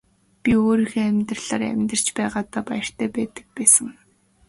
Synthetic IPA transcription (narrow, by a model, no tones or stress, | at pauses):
pʲioːɾiːxeːæmʲt̪rə̆ɮaːræ̰mʲt̪ə̆r̥t͡ɕpæːʁaːt̪aːpajə̆r̥t̪ʰæːpæːt̪ə̥̆k̚pæːsə̆ŋ